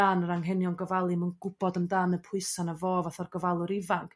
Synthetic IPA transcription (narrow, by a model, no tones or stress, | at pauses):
aːnəɾaŋɦɛnjɔnɡɔvalˠɨmənɡʊb̥ɔdəmdaːnəpʰʊɨsanəvoːvaθɔrɡəvalˠʊɾɪvaŋkʰ